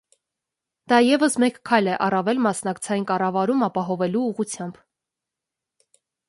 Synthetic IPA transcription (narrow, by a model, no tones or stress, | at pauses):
d̪̥ɑjɛvəsmɛkkʰːɑjlɛʔɑrɑvɛlmɑsnɑkt͡sʰɑjinkɑrɑvɑɾumɑpɑɦɔvɛluːʁut͡sʰjɑmb̥